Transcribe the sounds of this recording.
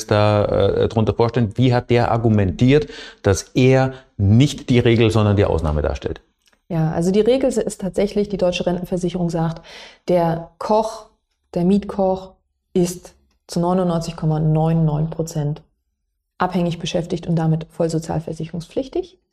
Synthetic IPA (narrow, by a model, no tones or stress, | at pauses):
sd̥a̰ːdʁʊntɐfoːɐʃtɛlnv̥iːɦat̚d̥eːɐʔa̰ɐɡumɛntʰiːɐtd̥asʔeːɐnɪçtd̥iːʁeːɡl̩zɔndɐndiːʔa̰ʊsna̰ːməda̰ːɐʃtɛ̰lt | jaːʔa̰lzodiːʁeːɡl̩zstʰaːtz̥ɛçlɪçd̥iːdɔʏt͡ʃəʁɛntn̩fɛɐzɪçəʁʊŋzaːktd̥eːɐkʰɔχ | d̥eːɐmiːtkʰɔχ | ɪst | t͡sunɔʏnʊnːɔʏnt͡sɪçkʰɔmanɔʏnːɔʏnpʁ̥ot͡sɛnt | ʔaphɛŋɪçb̥əʃɛftɪçtʊntd̥amɪtfɔlzot͡sja̰ːlfɛɐzɪçəʁʊŋsp͡flɪçtɪç